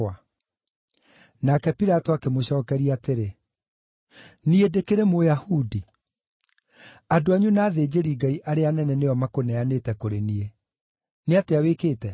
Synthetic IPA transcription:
a | nakɛpiɾatɔakemoɕɔːkɛɾiateɾe | niedekeɾemojahudi | adoaɲunaːðed͡ʑeɾiɡaiʔaɾeanɛnɛneɔmakonɛaneːtɛkoɾenie | neateawekeːtɛ

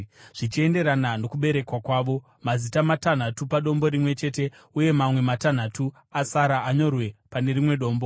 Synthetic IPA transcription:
ʐ̥it͡ʃie̞nde̞ɾanano̞kuɓe̞ɾe̞kwakwaːʋo̞ | mazitamatan̤atupaɗo̞mbo̞ɾimwe̞t͡ʃe̞ːte̞ | uje̞mamwe̞matan̤atu | asaɾaʔaɲo̞rwe̞pane̞rimwe̞ɗo̞ːmbo̞

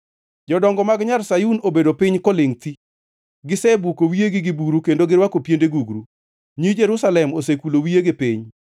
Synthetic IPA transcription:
d͡ʒɔdɔŋɡɔmaɡɲalsajunobedopɪɲkɔleŋt̪i | ɡɪsɛbukowieɡɪɡɪbuɾukendoɡɪɾwakopjendeɡuɡɾu | ɲid͡ʒeɾusalɛmosekulowijeɡɪpɪɲ

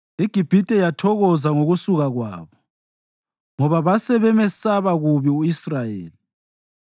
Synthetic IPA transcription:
iɡ̥ʱib̥ʱitʼɛjatʰɔɣɔzaŋoɣusuɣaɣwa̰ːβɔ | ŋɔβaβasɛβɛmɛsaβaɣuβiuisrajḛːli

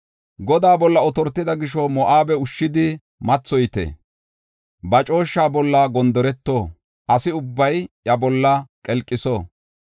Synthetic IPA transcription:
ɡɔd̪aːbɔlːɐɔt̪ɔɾt̪ːɪd̪ɐɡɪʃɔmɔʔaːbɛʊʃːɪd̪ɪ | mɐt͡sːɔjt̪ɛ̰ | bɐt͡ʃʼo̞ːʃːaːbɔlːɐɡɔnd̪ɔɾɛt̪ːoː | ʔɐsɪʊbːɐjʔjɐbɔlːɐkʼɛlkʼːɪsoː

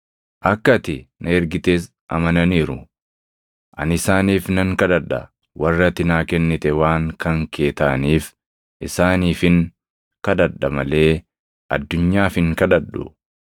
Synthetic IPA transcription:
ʔɐkːɐt̪ɪnʔɐɛɾɡɪt̪eːs | ʔɐ̰mɐnɐniːɾʊ̰ | ʔɐnɪsaːniːfnɐŋkɐᶑ̪ɐᶑɐ̰ | wɐrːɐt̪ɪnaːkɛnːɪt̪ɛwaːŋkɐŋke̞ːt̪aːniːf | ʔɪsaːniːfɪŋ | kɐd̪ɐᶑːɐmɐle̞ː | ʔɐ̰d̪ːʊɲːaːfɪŋkɐᶑɐᶑʊ̰

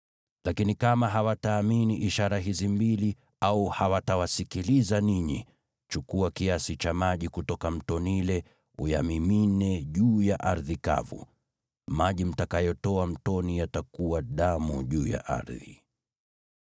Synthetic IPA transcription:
lakinikamaɦawataːminiʔiʃaɾaɦizimbili | auhawatawasikilizaniɲi | t͡ʃukuakiasit͡ʃamaʄikutɔkam̩tɔnilɛ | ṵjamiminɛʄuːjaʔaɾðika̰vṵ | maʄim̩takajɔtɔam̩tɔnijatakuwaɗamṵʄuːja̰ʔa̰ɾði

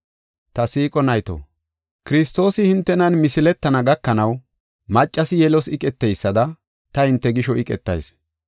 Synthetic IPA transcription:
t̪ɐsiːkʼɔnɐjt̪o̰ | kɪɾɪst̪ːo̞ːsɪhɪnt̪ːɛnɐnmɪsɪlɛt̪ːɐnɐɡɐkːɐnɐw | mɐt͡ʃʼːɐsɪjɛlɔsɪkʼɛt̪ːɛjsːɐd̪ɐ | t̪ɐhɪnt̪ːɛɡɪʃɔʔɪkʼɛt̪ːɐ̰js

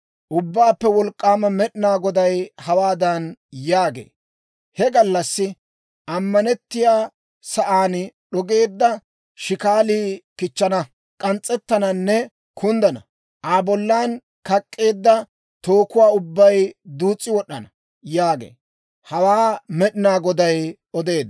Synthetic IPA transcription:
ʔʊbːaːpːɛwɔlkʼːaːmɐmɛɗɪnaːɡɔd̪ɐjhɐwaːd̪ɐnjaːɡḛː | hɛɡɐlːɐsːɪ | ʔɐmːɐnɛt̪ːɪjaː | sɐʔaːnɗɔɡe̞ːd̪ːɐ | ʃɪkaːliːkɪt͡ʃːɐnɐ | kʼɐnt͡sʼːɛt̪ːɐnɐnːɛ | kʰʊnd̪ɐnɐ̰ | ʔaːbɔlːaːn | kɐkʼːe̞ːd̪ːɐ | t̪oːkʊwaːʊbːɐjd̪uːt͡sʼːɪwɔɗːɐnɐ | jaːɡḛː | hɐwaːmɛɗɪnaːɡɔd̪ɐj | ɔd̪e̞ːd̪ː

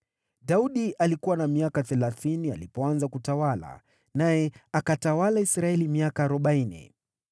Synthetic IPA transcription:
ɗauɗiʔalikuwanamiakaθɛlaθinia̰lipɔanzakutawala̰ | najɛakatawalaisɾaɛlimiakaːɾɔɓainɛ̰

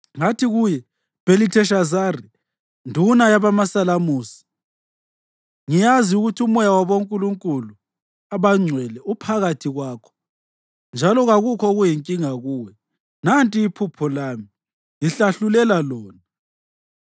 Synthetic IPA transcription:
ŋatʰiɣujɛ | b̥ʱelitʰɛʃazari | ndʱunajaβamasalamuːsi̥ | ŋijaziuɣutʰiumɔjawaβoŋkʼuluŋkʼulu | aβaŋ͡ǀʱwɛlɛupʰaɣatʰiɣwaːkʰɔ̥ | nd͡ʒʱalɔɣaɣukʰɔɣujiŋkʼiŋaɣuːwɛ | nantʼiːpʰupʰɔlaːmi | ŋiɬaɬulɛlalɔːna

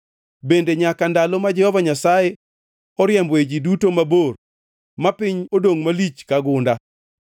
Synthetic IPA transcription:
bendeɲakandalɔmad͡ʒɛhɔvaɲasaje | ɔɾjɛmbwed͡ʒidutomabor | mapɪɲodoŋmalit͡ʃkaɡʊnda

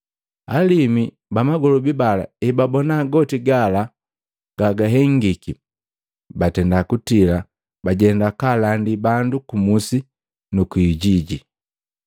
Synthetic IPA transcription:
alimi | bamaɡɔlɔbibala̰ɛbabɔnaɡɔtiɡala | ɡ̥aɡaɦɛŋɡiki | batɛndakutila | baɟɛndakalandibandukumusi | nukwiɟiɟi

